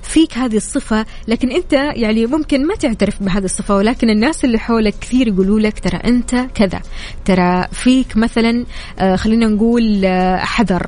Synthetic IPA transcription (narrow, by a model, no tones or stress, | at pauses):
fiːkɦaːðisˤːɨfa | laːkɪnʔɪnt̪ajaʕnimʊmkɪnmat̪ɪʕt̪aɾɪfbɪɦaːðisˤːɨfawɪlaːkɪnɪnːaːsɪlːiħoːlakːɪ̥θiːɾjɡuːluːlakt̪ɑɾˤɑ̰ʔɪnt̪akɪða̰ | t̪ɑɾˤɑfiːkmaθalanː | xalːiːnanɡuːlħɑðɑɾˤ